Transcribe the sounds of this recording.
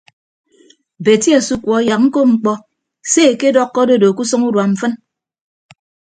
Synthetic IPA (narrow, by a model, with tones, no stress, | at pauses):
be˨ti˦a˨su˦kwɔ˨˦ja˨k̚ŋ̩˦ko˦ŋ͡m̩˨˦k͡pɔ˦ | se˦˨ke˦dɔ˦kːɔ˦do˦˨do˨ku˦sɔ˦ŋu˦dwa˨m̩˨fɨ˦n